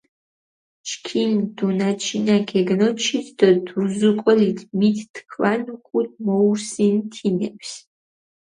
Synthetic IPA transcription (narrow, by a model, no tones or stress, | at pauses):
t͡ʃʰkʰind̪̥unat͡ʃʰinaɡɛɡnɔt͡ʃʰit̪ʰd̪ɔd̪uɾzukʼɔlit̪ʰmit̪ːkʰvanukʰʷʼud̪̚ʰmɔuɾsint̪ʰinɛpʰs